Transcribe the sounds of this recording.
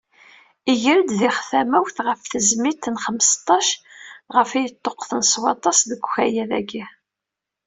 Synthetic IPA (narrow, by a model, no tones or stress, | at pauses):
iʝəɾd̪ðiχθæmæwθʁəfθəzmit̪ːənχəmst̪ˤːɑʃʁəfijət̪ˤːoqːθənswɑt̪ˤɑsðəɡʷçæjæðæ̰ɡi